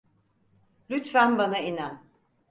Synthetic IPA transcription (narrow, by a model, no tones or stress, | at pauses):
lʲyt̪fænbanainæn